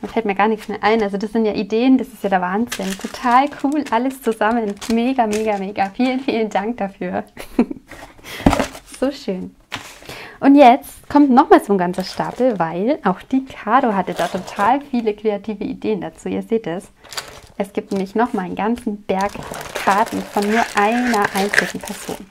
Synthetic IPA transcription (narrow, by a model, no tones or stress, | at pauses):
ɛsfɛlt̚miːɐɡaːɐnɪçksmeːɐʔaɪnʔalzodasz̥ɪntjaːʔideːəndasɪ̥stjaːdaɐvaːnz̥ɪntʰotʰaːlkʰuːlʔaləst͡suzamənmeːɡameːɡameːɡafiːlənfiːləndaŋk̚d̥afyːɐ | z̥oːʃøːn | ʔʊntjɛt͡stkʰɔmtnɔχmaːlt͡sʊmɡant͡sɐʃta̰ːpl̩vaɪlʔaʊxd̥iːkʰaːɾoɦatdaːtʰotʰaːlfiːləkʁ̥eatʰiːvəʔḭdeːəndat͡suːḭːɐzeːtɛs | ʔɛsɡ̥iːp̚tnɛːmlɪçnɔχmaɪnənɡant͡sn̩b̥ɛɐkkʰːaɐtn̩fɔnːuːɐʔaɪnɐʔaɪnt͡sɪɡŋ̩pʰɛɐz̥o̰ːn